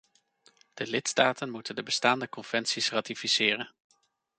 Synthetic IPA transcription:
d̥əlɪtstaːtənmutəndəbəstaːndəkɔnv̥ɛnsisraːtifisɪːrən

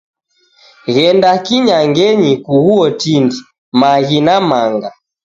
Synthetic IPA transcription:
ɣɛndakiɲaŋɡɛɲikuɣuɔtindi | maɣinamaŋɡa

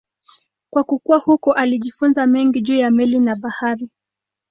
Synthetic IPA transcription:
kwakukuwahukɔʔaliʄifunzamɛŋɡiʄuːjamɛlinaɓahaɾi

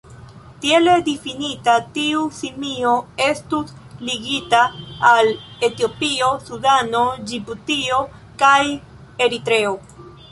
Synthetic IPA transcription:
tieledifinitatiusimio̞e̞stusliɡitaːle̞tio̞piosudano̞d͡ʒibutio̞ | kaj | e̞ɾitɾe̞o̞

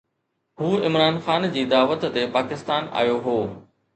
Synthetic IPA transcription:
ɦuːɪmɾaːnxaːnd͡ʑiːd̪aːʋət̪ːepaːkɪst̪aːna̰ːjoɦoː

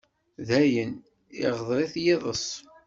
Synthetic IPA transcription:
ðæjən | ɪ̰ʁəðˤɾˤiθjɪðˤəsˤ

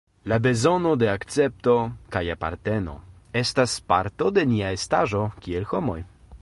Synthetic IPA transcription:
labezonod̪eakt̪sɛpt̪okajapa̰ɾt̪ɛno̰ | ɛst̪aspaɾt̪od̪enʲiaest̪aʒokʲiɛlxɔmoj

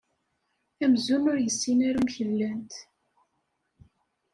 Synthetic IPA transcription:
æmzunʊɾjəsːinæɾumçəlːænt̪

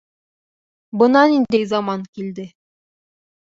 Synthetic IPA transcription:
bɤ̆nɑnind̪ejzɑmɑŋkild̪ɘ

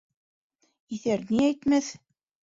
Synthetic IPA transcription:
iθæɾniæjt̪mæθ

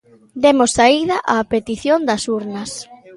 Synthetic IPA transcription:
d̪emosːaiðɐʔapet̪iθjond̪ɐsuɾnɐs

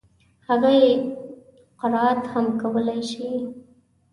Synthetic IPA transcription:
haɣaje | qɪɾɑat̪hamkawəlajʃi

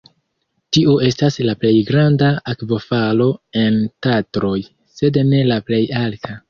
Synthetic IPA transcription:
tioe̞staslaple̞jɡɾandaakvo̞falo̞e̞ntatɾo̞j | se̞dne̞laple̞jaltʰa

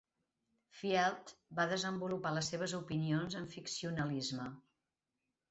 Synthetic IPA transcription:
fiɛlˠt̪baðəzəmbulupaləsːeβ̞əzupinionzəɱfiksiunəlizmə

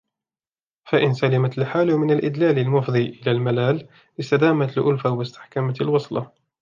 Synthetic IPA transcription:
faʔɪnsalɪmat̪lħaːlmɪnalʔɪd̪laːlalmʊfd̪ˤiːʔɪlaːlmalaːl | ʔɪst̪ad̪aːmat̪lʔʊlfawɪst̪ɪ̥ħkamalwɑsˤlɑ

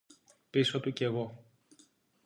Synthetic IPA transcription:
piso̞t̪uce̞ɣo̞

